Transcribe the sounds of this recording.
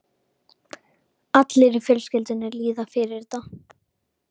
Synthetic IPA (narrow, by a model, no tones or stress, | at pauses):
at̪lɪɾɪfjœlscɪlt̪ɪnɛɾliːðafɪɾɪɾ̥t̪a